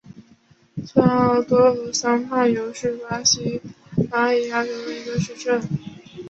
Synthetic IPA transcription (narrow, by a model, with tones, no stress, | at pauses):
t͡sʰwa˥nɑ˥˩t̪wɔ˥ɤ˧˥sɑ˥ŋma˥˩jo˧˥ʊʂɻ̩˥˩wa˥ɕi˥wa˧˥i˧˥ja˥˩jo˧˥ʊ˧i˧˥d̪ə˧ʂɻ̩˥˧ʈ͡ʂə˥˩n